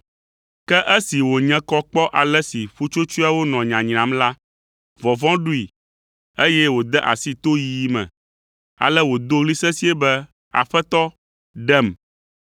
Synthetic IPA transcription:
kɛ˦ʔɛ˦si˨wo˨ɲɛ̃˦kɔ˦k͡pɔ˦ʔa˨lɛ˦si˨ɸu˦t͡ʃo˦t͡ʃu˦a˦wo˦nɔ̃˨ɲã˨ɲ̃˨ã˨˦mla˦ | vɔ˨vɔ̃˦ɖu˦i˨ | e˦jɛ˦wo˨d̪ɛ˦ʔa̰˨si˦t̪o˦jiː˨˦mɛ̰̃˨ | a̰˨lɛ˦wo˨d̪o˦ɣli˦sɛ̃˦si˦ɛ˦bɛ˦ | a̰˨ɸɛ˦t̪ɔ˦ | ɖɛ˦m

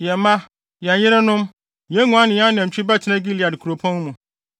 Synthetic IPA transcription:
jɛ˨mã˦ | jɛ˨njɪ˦ɾɪ˦nʊ̃˦m | jɛ̃˦ŋũ˨˦a˦nɪ̃˨jã˦nɛ̃˨m̩˨t͡ɕᶣɪ˦bɛ˦tʰɪ˨nã˦ɡi˦li˨a˨dkʰu˨ɾo˨pʰɔ̃˦n˦mũ˨

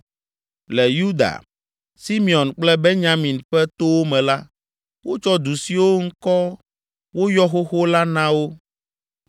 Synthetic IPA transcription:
lɛ˨ju˦d̪a̰˨ | si˦mi˨ɔ˨nk͡plɛ˦be˦ɲã˦mĩ˨nɸɛ˦t̪o˦wo˦mɛ̃˨la˦ | wo˦t͡ʃɔ˦d̪u˨si˨wo˦ŋ̩˦kɔ˦ | wo˦jɔ˦xo˦xo˦la˦nã˦wo˦

